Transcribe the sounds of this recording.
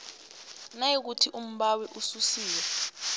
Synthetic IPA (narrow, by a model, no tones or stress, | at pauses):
najik̬utʰiʔum̩ɓawiʔususiːwɛ